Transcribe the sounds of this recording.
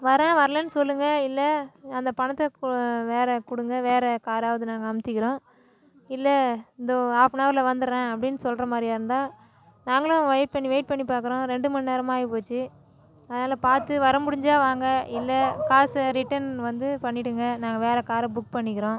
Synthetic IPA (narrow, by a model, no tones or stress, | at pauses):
ʋɐɾɛ̃ːʋɐɾɐlɐnːɯsɔlːɯŋɡɐɪlːɐɐnd̪ɐpɐɳɐt̪ːɛkʋeːɾɛkʊɽɯŋɡɐʋeːɾɛkaːɾaːʋɐðɯnaːŋɡɐɐmt̪ːɪkɪɾõː | ɪlːɛɪnd̪oaːpnaːɾlɐʋɐnd̪ɯɾɛ̃ːɐpːɐɽɪnːɯsɔlɾɐmaːd̪ɾijaɪɾɯnd̪aː | naːŋɡɐlʊ̃ʋɐjʈ̚pɐɳːiʋɐɪʈ̚pɐɳːipaːɾkɯɾõːɾɛɳɖɯmɐnːneːɾɐmaːɣipoːt͡ʃːɯ | ɐðɐnaːlɐpaːɾt̪ɯʋɐɾɐmʊɽɪɲd͡ʒaːʋaːŋɡɐɪlːɐkaːsɾɪʈːɐnʋɐnd̪ɯpɐɳːɪʈːɯŋɡɐnaːŋɡɐʋeːɾɛkaːɾɐbʊk̚pɐɳːɪkːɪɾõː